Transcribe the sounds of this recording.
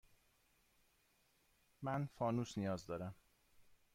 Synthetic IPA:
mænfɒːnuːsnijɒːzd̪ɒːɾæm

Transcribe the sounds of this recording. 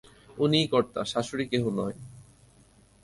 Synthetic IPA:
unikɔɾt̪a̰ʃaʃoɾikeɦunɔe

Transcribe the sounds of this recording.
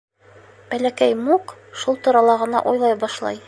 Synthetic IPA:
b̥ælækæjmuqʃulˠt̪ŭɾɑlˠɑʁɤ̆nɑ̰ʔujlˠɑjbɒʃlˠɑ̰j

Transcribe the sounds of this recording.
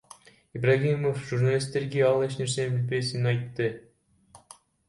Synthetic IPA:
ibraɣimofʒurnalʲist̪ːe̞ɾɡeɑlˠe̞ʃne̞ɾse̞nbilbe̞sinnɑjt̪ːɯ

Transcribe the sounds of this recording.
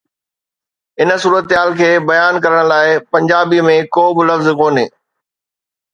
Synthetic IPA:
ɪnə̆suːɾət̪ɦaːlkʰeːbɐjaːnkɐɾəɽ̃̆laːɪpɐ̃ɲd͡ʑaːbimẽkoːbɪlɐfzkoːnḛː

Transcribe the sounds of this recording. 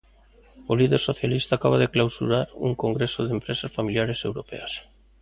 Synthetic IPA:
oliðeɾsoθjalist̪aːkaβ̞aðeklawsuɾaɾṵŋkoŋɡɾesoðempɾesasfamiljaɾesewɾopɛ̰ɐs

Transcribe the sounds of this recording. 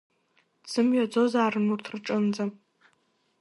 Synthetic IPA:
z̥ɨmɥad͡zozaːɾɨnurtʰrʈ͡ʂʼɨnd͡za

